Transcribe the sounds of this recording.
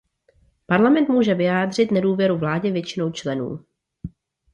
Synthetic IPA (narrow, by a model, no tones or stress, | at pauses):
paɾlamɛnt̪muːʒɛvɪjaːdr̝ɪt̪nɛduːvjɛɾuvlaːɟɛvjɛt͡ʃɪnowt͡ʃlɛnṵː